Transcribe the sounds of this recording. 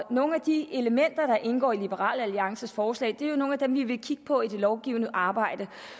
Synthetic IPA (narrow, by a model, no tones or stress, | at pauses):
no̝ːn̩æd̥ie̝ləmen̰d̥ɐɾ̥ɑ̈ʔe̝nɡ̥ɒ̰ːilib̥əʁɑ̰̈ːləæliɑ̈ŋsəsfɒːslɛ̰ɪd̥e̝æjo̝no̝ːn̩æd̥emʋiʋe̝kʰiɡ̥ə̥pʰɒ̽id̥e̝lɒʊɡ̥ḭːʊnəʔɑ̈ːb̥ɑ̈ɪ̰d̥ə